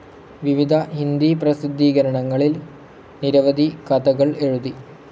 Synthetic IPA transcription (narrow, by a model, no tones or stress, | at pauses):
ʋiʋid̪ʱɐɦind̪iprɐsid̪ːiːɣɐɾɐɳɐŋːɐɭil | niɾɐʋɐd̪ʱikɐd̪ɐɣɐɭe̞ɻuði